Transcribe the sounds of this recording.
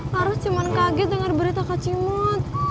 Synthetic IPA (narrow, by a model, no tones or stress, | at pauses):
aɾʊt͡ʃimankaɡɛd̪əŋarbəɾit̪akat͡ʃimɔt̪̚